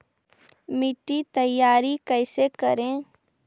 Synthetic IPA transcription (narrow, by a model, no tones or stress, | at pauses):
mɪʈːit̪əjːaːɾikɛːɪsekəɾẽ